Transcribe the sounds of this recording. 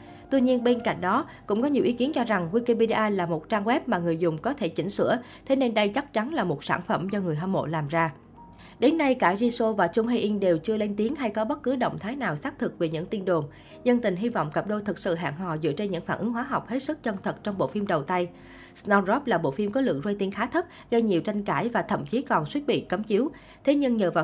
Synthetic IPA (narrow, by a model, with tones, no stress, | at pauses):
t̪wi˧ɲi˧ənɓe˧nka̰˧˩˨jŋ̟ɗɔ˨˦ | kʊ̰˧˥ŋ͡mkɔ˨˦ɲi˨˩əwʔi˨˦ki˨˦ənt͡ɕɔ˧za˨˩ŋwi˧ki˧pe˧ɗi˧ʔaː˧laː˨˩mo˨˩t̚t͡ɕaː˧ŋwɛ˦˥p̚maː˨˩ŋɨ˨˩əjzʊ˨˩ŋ͡mkɔ˨˦t̪ʰe˧˩t͡ɕï˧˩ŋ̟sɨ̰˧˥ə | t̪ʰe˨˦ne˧nɗə˧jt͡ɕa˦˥k̚t͡ɕa˨˦nlaː˨˩mo˨˩t̚saː˧˩nfə˧˩mt͡ɕɔ˧ŋɨ˨˩əjɦa˧mo̰˧˨laː˨˩mzaː˧ | ɗe˨˦nːa˧jkaː˧˩zi˧so˧vaː˨˩t͡ɕʊ˧wŋ͡mɦe˧ʔi˧ŋɗe˨˩wt͡ɕɨ˧əle˧nt̪i˨˦ənɦa˧jkɔ˨˦ɓə˦˥t̚kɨ˨˦ɗə̰˧˨wŋ͡mt̪ʰaː˨˦jnaː˨˩wsaː˦˥k̚t̪ʰɨ˨˩k̚ve˨˩ɲɨ̰˧˥ŋt̪i˧nɗo˨˩n | zə˧nt̪ï˨˩ŋ̟ɦi˧vɔ̰˧˨wŋ͡mkə˨˩p̚ɗo˧t̪ʰɨ˨˩k̚sɨ̰˧˨ɦa̰ː˧˨ŋɦɔ̰˧˨zɨ̰˧˨ət͡ɕe˧nɲɨ̰˧˥ŋfaː˧˩nʔɨ˨˦ŋɦwaː˨˦ɦa˨˩wk͡p̚he˦˥t̚sɨ˦˥k̚t͡ɕə˧˩nt̪ʰə˨˩t̚t͡ɕɔ˧wŋ͡mɓo̰˧˨fi˧mɗə˨˩wt̪a˧j | snɔ˧zɔ˦˥p̚laː˨˩ɓo̰˧˨fi˧mkɔ˨˦lɨ̰˧˨əŋzwa˧jt̪i˧nxaː˨˦t̪ʰə˦˥p̚ | ɣə˧jɲi˨˩əwt͡ɕa˧jŋ̟kaː˧˩jvaː˨˩t̪ʰə̰˧˨mt͡ɕi˨˦kɔ˨˩nswi˦˥t̚ɓḭ˧˨kə˨˦mt͡ɕi˨˦w | t̪ʰe˨˦ɲɨ˧ŋɲəː˨˩vaː˨˩